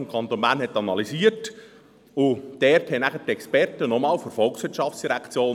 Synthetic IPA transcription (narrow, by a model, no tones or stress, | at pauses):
mkʰɑnt̪onmæːnɦɛtːɑnɑlisiət | ʊd̥ɛthɛnæɡət̪ɛkspɛrtənɔmɑːlfoɾfɔlˠksʋɪtʃɑft͡ssd̥iɾækʰt͡sjoːn